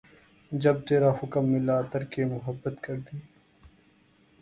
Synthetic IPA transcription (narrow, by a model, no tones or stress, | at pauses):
d͡ʒɐb̚t̪eːɾaːhʊkəmːɪlat̪ɐɾkemʊɦəbːət̪kɐɾd̪iː